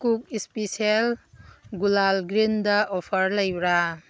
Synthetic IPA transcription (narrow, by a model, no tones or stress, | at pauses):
kuk̚ispisielɡulalɡɾindɐʔɔpʰɐɾlɐjbɾa